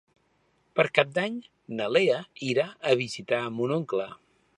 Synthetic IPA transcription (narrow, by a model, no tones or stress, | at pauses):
pəɾkap̚d̪aɲ | nəleəiɾaəβizit̪aəmunoŋklə